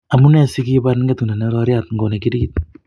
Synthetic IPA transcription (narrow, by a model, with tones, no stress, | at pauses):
a˨mu˦ne˦si˦ki˦βan˦ŋɡe˦t̪u˨na˨ne˦ɾɔɾi˦at̪ŋɡo˨ne˨ki˦ɾi˦t̪